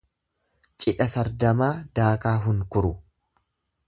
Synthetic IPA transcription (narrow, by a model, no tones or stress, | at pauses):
t͡ʃʼɪᶑɐsɐɾd̪ɐmaːd̪aːkaːɦʊŋkʊɾʊ